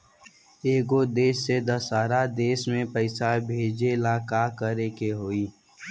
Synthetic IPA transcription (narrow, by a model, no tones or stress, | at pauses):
eːɡod̪eːsːed̪ɐsaːɾad̪eːsmẽpəɪsabʱeːd͡ʒelaːkakəɾekeɦoːiː